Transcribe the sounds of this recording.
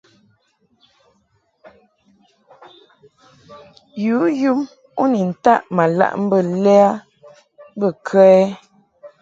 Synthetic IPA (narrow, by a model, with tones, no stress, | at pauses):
juː˨˦ju˦m | u˦ni˨n̩˨ta˦˨ʔma˨la̰˦ʔm̩˦bə˦˨lɛ˦a˦ | bə˦˨kʰɛ˦ɛ˦